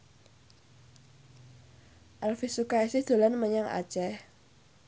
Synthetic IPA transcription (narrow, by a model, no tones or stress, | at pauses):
ʔalfisukaisɪhd̪̥o̤lanməɲaŋa̰̥t͡ʃɛh